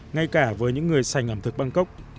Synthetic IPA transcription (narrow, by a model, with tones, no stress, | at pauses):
ŋa˧jkaː˧˩vəː˨˦jɲɨ̰˧˥ŋːɨ˨˩əjsa˨˩jŋ̟ʔəː˧˩mt̪ɨ˨˩k̚ɓa˧ŋkə˦˥wk͡p̚